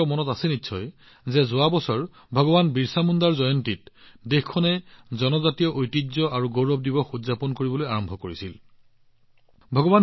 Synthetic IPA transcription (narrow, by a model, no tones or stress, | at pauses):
ɔmɔnɔtasɛnitːsʰɔj | zɛzʊabɔsɔɹ | bʱɔɡɔbanbiɹsamundaɹzɔjɔntit̚dexkʰːɔnɛzɔnɔzatijɔʔojtizɔʔaɹuɡowɹɔb̚dibɔxuzapɔnkoɹibɔlojaɹɔmbʱɔkoɹisil | bʱɔɡɔban